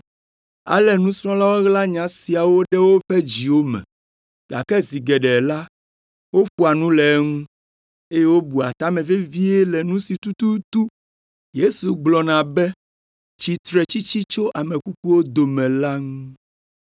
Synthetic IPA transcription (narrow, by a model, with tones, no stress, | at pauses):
a̰˨lɛ˨nũ˦sɾɔ̃˦la˦wo˦ɣla˦ɲã˨si˨a˨wo˦ɖɛ˦wo˦ɸɛ˦d͡ʑi˨wo˦mɛ̰̃˨ | ɡ̥a̰˨kɛ˦zi˨ɡɛ˨ɖɛ˨la˦ | wo˦ɸu˦a˨nũ˦lɛ˨˦ŋũ˦ | e˦je˦wo˦bu˨a˨t̪a˦mɛ̃˨ve˦vi˦e˦lɛ˨nũ˦si˨t̪u˦t̪u˦t̪u˦ | je˦su˨ɡ͡blɔ˨nã˨bɛ˦ | t͡ɕi˨t̪ɾɛ˨t͡ɕi˦t͡ɕi˦t͡ʃo˦ʔa˨mẽ˨ku˦ku˦wo˦d̪o˨mɛ̃˨la˦ŋũ˦